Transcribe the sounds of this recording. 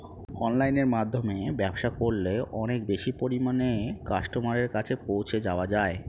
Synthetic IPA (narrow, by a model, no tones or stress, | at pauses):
ɔnlajneɾmad̪ʱːomebɛbʃakoɾleʔɔnek̚beʃipoɾimanekaʃʈomaɾeɾkat͡ɕʰepowt͡ɕʰed͡ʑaoad͡ʑae